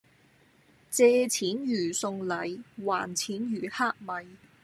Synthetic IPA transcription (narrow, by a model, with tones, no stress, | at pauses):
t͡sɛː˧t͡sʰiː˨˥njyː˨˩sʊ˧ŋlɐ˨˧jwaː˨˩nt͡sʰiː˨˥njyː˨˩haː˥k̚mɐ˨j